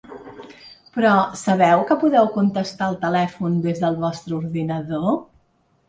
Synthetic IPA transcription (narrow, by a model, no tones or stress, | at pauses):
pɾɔsəβ̞ɛwkəpuðɛwkunt̪əst̪aəlˠt̪əlɛfund̪ezðəlˠβɔst̪ɾəuɾðinəðo